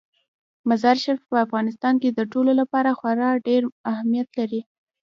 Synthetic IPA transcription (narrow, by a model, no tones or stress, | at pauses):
mazɑɾʃaɾfpəafɣɑnɪs̬t̪ɑnked̪əʈololapɑɾaxwaɾɑɖeɾahamijat̪laɾi